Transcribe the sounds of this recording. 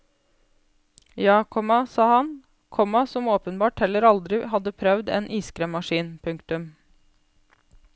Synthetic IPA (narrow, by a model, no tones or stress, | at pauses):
jɑːkʰɔmɑsɑːhɑn | kʰɔmɑsɔmoːpənbɑːʈhɛlːəɾɑld̪ɾɪhɑd̪ːəpʰɾœʋd̪ḛːnʔiːskɾeːmːɑʂiːnpʰʉŋkt̪ʉm